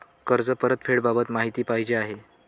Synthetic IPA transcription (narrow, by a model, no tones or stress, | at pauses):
kəɾd͡zəpəɾət̪fʰeɽbabət̪maɦit̪iːpajd͡ʑeaɦe